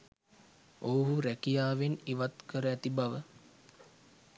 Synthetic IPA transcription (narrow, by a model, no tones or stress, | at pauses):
owɦuɾækijaːʋeniʋat̪kəɾəæt̪ibaʋə